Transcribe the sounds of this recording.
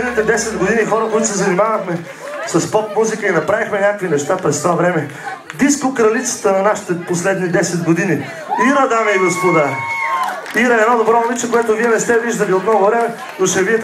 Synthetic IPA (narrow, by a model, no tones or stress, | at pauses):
ɛd̪nit̪ɛd̪ɛsɛd̪ɡod̪inixɔɾəkoit̪̬osɛzɐnimavɐxmɛ | sɐspɔp̚muzikəinɐpɾavixmɛnʲak̚kvinɛʃt̪apɾɛst̪ovavɾɛmɛ | d̪ispokɾɐlit̪sə̥t̪ənɐnaʃi̥t̪ɛposlɛd̪nid̪ɛsɛd̪ɡod̪ini | iɾəd̪amijɡospod̪a | iɾəɛd̪nɔd̪obɾɔmolit͡ʃɛkoɛt̪oviɛnɛst̪ɛviʒd̪əliot̪nɔɡovɾɛmɛ | noʃɛviɛt̪